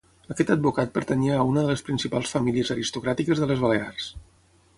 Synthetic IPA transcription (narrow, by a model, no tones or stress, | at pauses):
əkɛt̪əd̪̚bukat̪̚pəɾt̪əniəːunəðələspɾinsipalˠsfəmiliəzəɾist̪ukɾat̪ikəzðələzβəlears